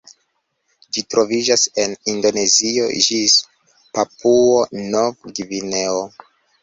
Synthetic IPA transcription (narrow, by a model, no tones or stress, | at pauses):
d͡ʒitɾo̞vid͡ʒase̞nindo̞ne̞zio̞̰d͡ʒis | papʰuonovɡivineo